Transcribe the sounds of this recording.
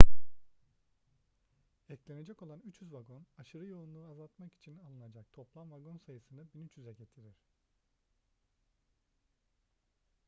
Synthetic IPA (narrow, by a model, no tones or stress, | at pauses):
ɛclʲe̞ned͡ʒɛko̞lˠanyt͡ʃyzvaɡo̞naʃɯɾɯjo̞lˠunˠuɾazalˠt̪maki̥t͡ʃʰinalˠɯnad͡ʒakt̪ʰo̞plˠamvaɡo̞nsajɯsɯnd̪abinyt͡ʃyzɛɟet̪ʰiɾiɾ̝̥